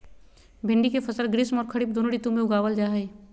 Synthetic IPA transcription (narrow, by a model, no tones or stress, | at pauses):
bʱɪ̃ɳɖikepʰɐsəlɡɾɪsmɔːɾkʰəɽip̚d̪oːnoɽit̪umẽʊɡaːwəld͡ʒaːɦɐi